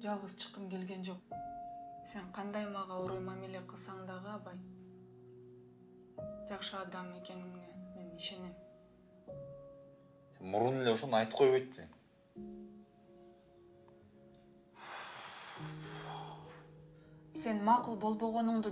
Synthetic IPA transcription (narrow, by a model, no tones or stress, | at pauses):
d͡ʒɑlˠʁəzt͡ʃʰə̥qːəmkʲe̞lɡʲe̞nd͡ʒo̞q̚ | se̞ɴqʰɑnd̪ɑjmɑʁɑuɾujmɑmilʲieqʰəlˠsɑɴd̪ɑʁəɑpɑj | d͡ʒɑqʃəɑd̪ɑme̞ke̞niŋːeme̞niʃe̞ne̞m | emuɾunelʲe̞oʃonɑjt̪ə̥pqʰːojβojt̪̚pːɪnen | se̞nmɑqulˠbo̞lˠbo̞ʁo̞nʊɴd̪